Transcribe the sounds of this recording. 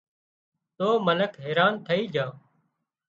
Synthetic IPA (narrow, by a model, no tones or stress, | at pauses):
t̪oːmələkɦeːɾaːnt̪ʰəiːd͡ʒʱãː